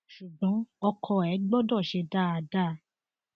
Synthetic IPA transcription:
ʃu˨ɡ͡bɔ̃˨˦ɔ˧kʰɔ˧ɛ˨˦ɡ͡bɔ˦dɔ˦˨ʃe˧da˦˨a˧da˦˧˦

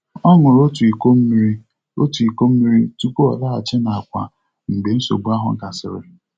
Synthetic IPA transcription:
ɔ˦ŋʊ˨ɾo˦tu˨i˨ko˦m̩˦mi˦ɾi˦ | o̰˦tu˨i˨ko˦m̩˦mi˦ɾi˦tu˦ko˦ɔ̰˨la˦a˨t͡ʃe˦na˨a˨kʷa̰˨ | m̩˨ɡ͡be˨n̩˦so̰˨ɡ͡bu˦a˦ɦʊ̰˨ŋ̩˦ka˨sɪ̰˨ɾɪ̰˨

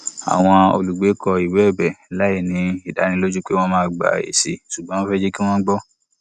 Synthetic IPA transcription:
a̰˨w̃ɔ̃˧o̰˧lu˨ɡ͡be˨˦kɔ˧i˨wɛ˨˦˨bɛ˨la˨˦i˦˨nĩ˨˧i˨da˨˦nĩ˧˦lo˦d͡ʒu˦k͡pe˦w̃ɔ̃˦˧mãː˦˨ɡ͡ba̰˨ḛ˨sḭ˨su˨ɡ͡bɔ̃˨˦ɔ̃˦fɛ˦d͡ʒe˦ki˦w̃ɔ̃˦ɡ͡bɔ˦

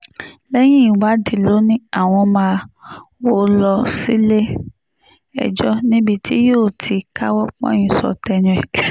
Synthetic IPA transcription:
lɛ˦j̃ĩ˦i˨wa˨˦di˨lo˨˦nĩ˦a˦˨w̃ɔ̃˧mãː˧wo˦lɔ˧si˦le˦ | ɛ̰˨d͡ʒɔ˦nĩ˦bi˦˧tʰi˦joː˦˨tʰi˧ka˦wɔ˦k͡pɔ̰̃˦ĩ˧sɔ̰˧tɛ˧nũ˧ɛ˨kɛ˨

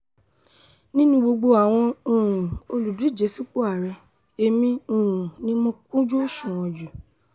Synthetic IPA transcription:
nĩ˦nũ˧˦ɡ͡bo˧ɡ͡bo˧a˨w̃ɔ̃˧ũ˨ũ˨o˧lu˨du˨˦i˦˨d͡ʒe˨˦su˦˨k͡pu˦a˦˨ɾɛ˧ | e˨mĩ˧ũ˨ũ˨nĩ˦mɔ̃˧˦kũ˦d͡ʒu˦˨ʃũ˨ɔ̃˧d͡ʒu˨

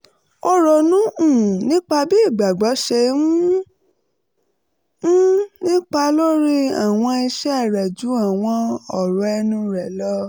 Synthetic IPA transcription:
ɔ˧ɾɔ˨nũ˦ũ˦˨nĩ˦k͡pa˧bi˦i˦˨ɡ͡ba˨ɡ͡bɔ˨˦ʃɛ˧mũ˦ | nĩ˦k͡pa˧lo˦ɾi˦a˨w̃ɔ̃˧i˧ʃɛ˦˨ɾɛ˨d͡ʒu˨˦a˨w̃ɔ̃˧ɔ˨ɾɔ˨ɛ˧nũ˧ɾɛ˨lɔ˦

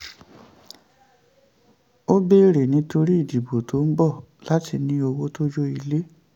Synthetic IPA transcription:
o˦be˦ɾe˨nĩ˨˦to˧ɾi˦i˦˨di˨bo˨tʰo˨˦m̩˦bɔ˦˨la˨˦ti˧nĩ˧o˧wo˦to˦d͡ʒo˦i˧le˦

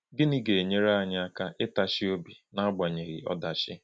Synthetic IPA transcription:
ɡɪ˦ni˦ɡe˨e˨ɲe˦ɾa˦a˦˨ɲa˦a˦ka˦ʔɪ˦ta˨ʃɪ˦o˦bi˨na˦a˦ɡ͡ba˨ɲe˨ɾɪ̰˨ɔ̰˦da˨ʃɪ˦

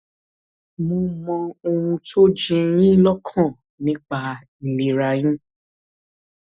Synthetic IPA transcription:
mõ˧mɔ̃˧o˧ũ˧tʰo˦d͡ʒĩ˧jĩ˦lɔ˦kʰɔ̃˦˨ | nĩ˦k͡pa˧ | i˨le˨ɾa˧j̃ĩ˦

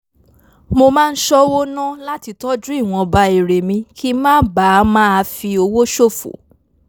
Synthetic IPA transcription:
mo˧mã˦˧n̩˦ʃɔ˦wo˦nã˦la˦ti˧tɔ˦d͡ʒũ˦i˦˨w̃ɔ̃˧ba˧˦i˨ɾe˨mĩ˧˦kʰi˦mãː˦ba˨˦mãː˦a˧fi˧o˧wo˦ʃo˦˨fo̰˨˦

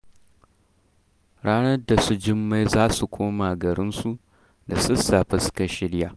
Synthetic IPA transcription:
ɽaː˦nɐ˦da˨su˦d͡ʒɪ˦mːa˦jzaː˦su˨kʷʰoː˦maː˨ɡɐ˨ɾɪ˦nsu˦ | da˨sʊ˦sa˨ɸɪ˦skɐ˦ʃɪ˦ɽjaː˨

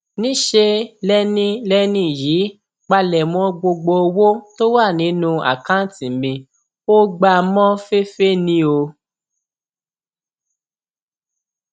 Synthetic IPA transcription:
nĩ˦ʃe˧lɛ˦nĩ˦lɛ˦nĩ˦˨ji˨˦ | k͡pa˧lɛ˨mɔ̃˧˦ɡ͡bo˧ɡ͡bo˧o˧wo˦to˦wa˦˨nĩ˨˦nũ˧˦a̰˦˨kã˦tĩ˨mĩ˧ | o˦ɡ͡ba˧mɔ̃˦fe˦fe˦nĩ˦o˧

